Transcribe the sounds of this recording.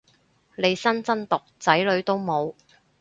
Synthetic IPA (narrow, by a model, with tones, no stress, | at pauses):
le˨˧jsɐ˥nt͡sɐ˥nt̪ʊ˨k̚t͡sɐ˨˥jlɵ˨˧ɥt̪o˥wmo˨˧w